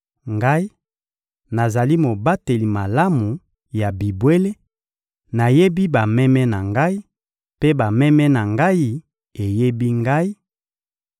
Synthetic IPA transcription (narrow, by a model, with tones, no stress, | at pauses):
ŋɡa˦i˦ | na˨za˨li˦mo˨ba˦te˨li˨ma˨la˦mu˨ | ja˨bi˨bwe˦le˦ | na˨je˦bi˦ba˨mɛ˦mɛ˦na˨ŋɡa˦i˦ | pe˦ba˨mɛ˦mɛ˦na˨ŋɡa˦ji˦ | e˨je˦bi˦ŋɡa˦i˦